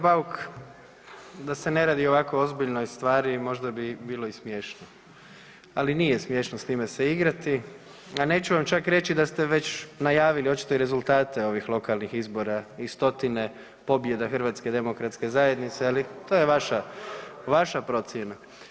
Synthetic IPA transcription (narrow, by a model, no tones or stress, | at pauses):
bauk | d̪ase̞ne̞ɾaːd̪ioʋako̞o̞zbiʎnojst̪ʋaːɾimo̞ʒd̪abibiːlˠoismjeʃno | aliniːjesmje̞ʃnost̪iːmeseiɡɾat̪i | ane̞ːt͡ɕuʋamt͡ʃakɾe̞t͡ɕid̪ast̪e̞ʋe̞t͡ɕnajaːʋilio̞t͡ʃi̥t̪o̞iɾe̞zult̪aːt̪e̞o̞ʋixlˠo̞kalnixizbo̞ɾaist̪o̞t̪ine̞ | po̞bje̞d̪axərʋaːt̪sked̪e̞mo̞kɾat̪ske̞zaje̞d̪nit̪sealit̪ojeʋaʃaʋaʃapɾo̞t̪sjena